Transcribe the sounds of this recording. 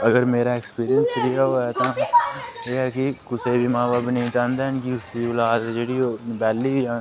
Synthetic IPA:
ɐɡəɾmeːɾaekspiːɾijənsɾijaɦoːɛt̪a | jeːɦɛkikʊsebʱimãːbaːbnɐɦĩt͡ʃãːnd̪ankiʊsiʊlaːd͡ʒeːɽioːbɛːlːibʱiã

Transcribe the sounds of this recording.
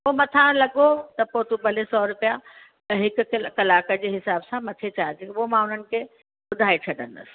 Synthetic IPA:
omɐt̪ʰãlɐɠot̪ɐpoːt̪ubʱɐlesɔːɾʊpija | ɛ̃ɦɪkʊ̆kɐlaːkəd͡ʑeːɦɪsaːbsãmɐt̪ʰet͡ɕaːt̪ikʊɦomãʊn̤ənɪ̆kʰe | bʊd̪ʱaːet͡ɕʰɐɗə̰nd̪ɐ̰s

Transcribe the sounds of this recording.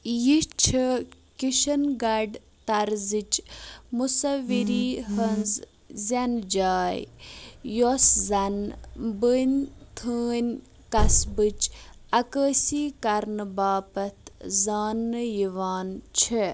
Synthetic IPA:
jit͡ʃʰi | kiʃɐnɡɐɖ | t̪ɐɾzit͡ʃmusɐʋiɾiːɦɐnz | zɐnd͡ʒaːj | joszɐnbənʲt̪ʰəːnʲ | kɐsbɨt͡ʃɐkəːsiːkɐɾnɨbaːpɐt̪ʰzaːnːɨjiʋaːnt͡ʃʰi

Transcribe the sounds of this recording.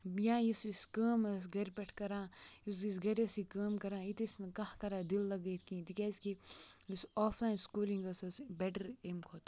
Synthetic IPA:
jãːjisiskəːmɐsɡɐɾʲpʲɐʈʰkɐɾãːjus̬isɡɐɾɐsikɐːmkɐɾãːit̪isnkɐhkɐɾaːd̪ilːɐɡɐt̪ʰkĩːt̪ikʲaːsʲkijusoːpʰlaːjnskuːliŋɡɐsɐsbeʈəɾemkʰoːt̪

